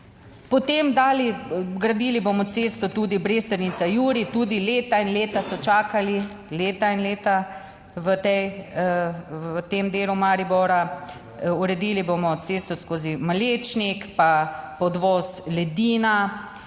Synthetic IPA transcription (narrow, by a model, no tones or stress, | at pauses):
pɔt̪emd̪aːliɡɾad̪iːlibomɔt̪seːst̪ɔt̪uːd̪ibɾeːst̪əɾnit̪sajuːɾit̪uːd̪ileːt̪ainleːt̪asɔt͡ʃaːkali | leːt̪ainleːt̪a | ʋət̪ɛj | ʋət̪emd̪eːlumaɾibɔɾa | uɾɛd̪iːlibomɔt̪seːst̪ɔskoːzimaleːt͡ʃnikpapɔd̪ʋɔːslɛd̪iːna